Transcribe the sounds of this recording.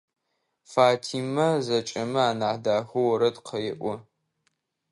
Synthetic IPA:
faːtʰiːmɐzɐt͡ʃʼɐmɨaːnaħdaːxʷɐwɐɾɐdqʰɐjɪʔʷɔ

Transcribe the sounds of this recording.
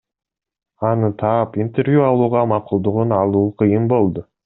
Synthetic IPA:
ɑnət̪ʰɑpint̪eɾvʲjuɑlˠuːʁɑmɑqulˠd̪ʊʁʊnɑlˠuːqʰəjɯmbo̞lˠd̪ʊ

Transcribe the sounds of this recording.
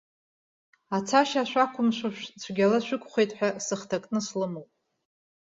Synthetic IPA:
at͡sʰaʃaːʃʷᶣakʷʰʊmʃʷaʃʷᶣt͡sʷʰɡʲalaʃʷᶣʊkʷʰʼχʷejtʼħʷᶣasɨχtʰakʼnɨslɨmowpʼ

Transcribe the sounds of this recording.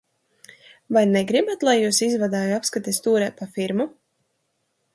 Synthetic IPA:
vajnɛɡɾibat̪lˠajːuːsizvad̪aːjuapskat̪ʲest̪uːɾɛːpafiɾmu

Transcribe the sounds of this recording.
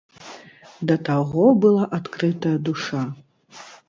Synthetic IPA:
d̪ɐt̪aɣɔbɨlˠaʔat̪kɾɨt̪ɐjɐd̪uʂa

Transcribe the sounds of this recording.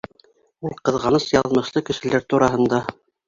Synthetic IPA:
ulˠqɤ̆ðʁɑnɤsjɑðmɤ̆ʃlˠɤkɘ̆ʃɘ̆læɾt̪uɾɑɦɤ̆nd̪ɑ

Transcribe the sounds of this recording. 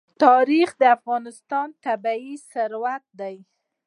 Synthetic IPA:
t̪ɑɾixd̪əafɣɑnɪst̪ɑnt̪abaisəɾwat̪̚d̪aj

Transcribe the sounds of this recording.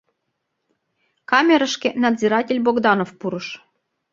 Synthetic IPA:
kɑmʲeɾəʃkĕnɑd̪zʲiɾɑtʲelʲboɡd̪ɑnofpuɾɤʃ

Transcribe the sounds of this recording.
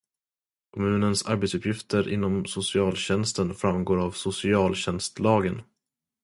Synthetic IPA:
kʰɔmʉ̟ːnənsa̰ɾbet̪sɵpʰjɪft̪ʰəɾʔɪ̰nːɔmsʊsɪɑːlɕɛnst̪ənfɾamːɡoːɾavsʊsɪɑːlɕɛnst̪lɑːɡən

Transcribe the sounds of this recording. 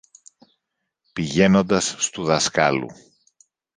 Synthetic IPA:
piʝe̞no̞nd̪ɐsːt̪uðɐskɐlṵ

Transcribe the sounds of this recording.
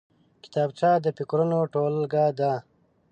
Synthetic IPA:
ki̥t̪aːbt͡ʃaːd̪əpikɾunoʈoːlɡaːd̪aː

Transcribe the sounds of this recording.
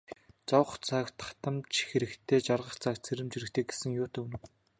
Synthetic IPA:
t͡sɔwχt͡sakt̪ʰḁt̪ə̆mt͡ɕxeɾɘ̆kt̪ʰeːt͡ɕarʁə̆χt͡sʰak̪̚t͡sʰeɾɘ̆mt͡ɕiɾɘ̆kt̪ʰeːɡe̥sɘ̆ŋjʊːt̪ʰeːunɘ̆w

